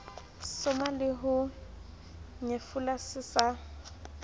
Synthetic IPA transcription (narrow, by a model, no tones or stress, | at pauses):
sʊmalɪɦʊ | ɲefulasɪsa